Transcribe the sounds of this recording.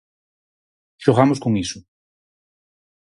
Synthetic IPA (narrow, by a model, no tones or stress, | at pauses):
ʃoɣamoskoŋisʊ